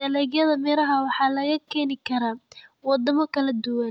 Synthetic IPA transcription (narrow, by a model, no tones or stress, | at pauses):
ɐlɛːɣjɐðɐmɛːɾɐɦɐwɑħɑːlɐɣɐkʰɛːnɪkʰɐɾaːwɑd̪ɐmɐkʰɐlɐd̪ʊwɐn